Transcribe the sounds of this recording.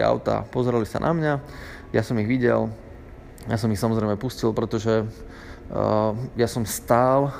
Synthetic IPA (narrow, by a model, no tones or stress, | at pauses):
a̰ʊt̪a̰ːpɔzɛɾalisa̰nʔa̰mɲa | jasɔmiɣʋiɟɛl | jas̬ɔmixsamɔzɾɛɪmɛpuscilˠpɾɛt̪ɔʒɛ | jasɔmst̪aːl